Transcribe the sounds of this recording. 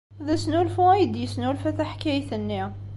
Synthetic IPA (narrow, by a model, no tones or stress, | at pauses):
ðæsnulfuæjəd̪jəsnulfæθæħkæjθənːi